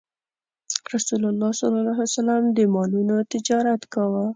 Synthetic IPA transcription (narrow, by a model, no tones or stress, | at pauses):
ɾasulalːɑsɑlɑlaɦsalamd̪əmɑlunot̪ɪd͡ʒɑɾat̪kawa